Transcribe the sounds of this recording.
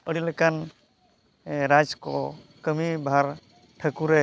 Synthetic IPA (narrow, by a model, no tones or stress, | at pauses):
əɽilɛkan | ɾad͡ʒkɔ | kəmibʱaɾ | ʈʰəkuɾɛ